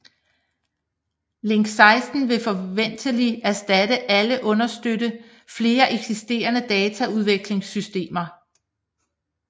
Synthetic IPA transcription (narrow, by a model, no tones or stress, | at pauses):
le̝ŋ̰ɡ̥sɑ̈ɪsd̥n̩ʋe̝fɒ̽ʋen̰d̥əliæɐsd̥æd̥əʔæləʔɔ̽nɐsd̥øɾə | fle̝ːɐʔeɡ̥sisd̥e̝̰ːɐnəd̥ɛːt͡sʰæuð̞ˠʋeɡ̥le̝ŋsysd̥e̝̰ːmɐ